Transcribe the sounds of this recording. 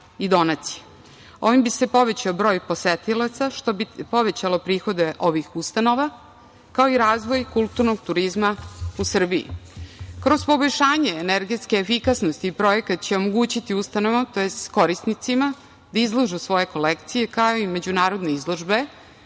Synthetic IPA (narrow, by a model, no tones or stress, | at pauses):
id̪o̞nat̪si̥je | o̞ʋimbise̞po̞ʋe̞t͡ɕaobɾo̞ːjpo̞set̪ilat̪saʃt̪o̞bipo̞ʋe̞t͡ɕalo̞pɾiːxo̞d̪e̞ʔo̞ʋixust̪ano̞ʋa | kao̞iɾaːzʋo̞jkulˠt̪uɾnoɡ̚t̪uɾizmausr̩biḭkɾo̞zpo̞bojʃaːɲeːneɾɡe̞t̪skeːfikasnost̪iːpɾo̞jekat̪t͡ɕeomoɡuːt͡ɕit̪iust̪ano̞ʋot̪o̞jest̪ko̞ɾisnit̪sima | d̪aizlˠoʒusʋo̞je̞ko̞lekt̪sije̞kaoime̞d͡ʑunaːɾo̞d̪ne̞izlˠo̞ʒbe̞